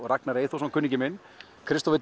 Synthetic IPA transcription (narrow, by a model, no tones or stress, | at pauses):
rak̚naɾejθowsankʰʏnːɪɲcɪmɪn | kʰɾɪst̪ɔvɪt̪